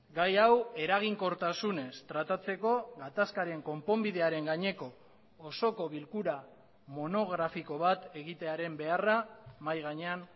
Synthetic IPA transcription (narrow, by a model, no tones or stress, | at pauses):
ɡajawe̞ɾaɣ̞iŋko̞ɾt̪asune̞st̪ɾat̪at͡se̞ko̞ɣat̪askaɾe̞ŋko̞mpo̞mbið̞e̞aɾe̞ŋɡaɲe̞ko̞ː | so̞ko̞β̞ilkuɾa | mo̞no̞ɣ̞ɾafiko̞β̞at̪e̞ɣit̪e̞aɾe̞mbe̞aramajɣ̞aɲe̞an